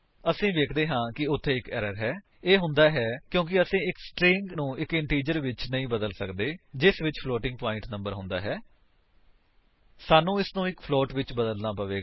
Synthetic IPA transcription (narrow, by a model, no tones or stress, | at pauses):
əsĩːʋeːkʰd̪eːɦãːkɪʊt̪ʰːeːɪkɛːɾəɾɦɛː | eːɦʊ̃nd̪aːɦɛːkjõːk̬ɪəsĩːɪksʈɾɪ̃ːŋɡnũːɪkɪɳʈiːd͡ʒəɾʋɪt͡ʃnəĩːbəd̪əlsəkd̪eːd͡ʒɪsʋɪt͡ʃpʰloːʈɪ̃ŋɡ̚paːɪ̃ɳʈnə̃mbəɾɦʊ̃nd̪a̰ːɦɛː | saːnũːɪsnũːɪkpʰloːʈʋɪt͡ʃbəd̪əlnaːpəʋeː